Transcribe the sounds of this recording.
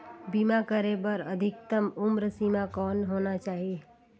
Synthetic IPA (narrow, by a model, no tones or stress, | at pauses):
bimakəɾebəɾəd̪ʱɪkt̪əmʊmɾəsimakɔnɦoːnat͡ʃaːɦi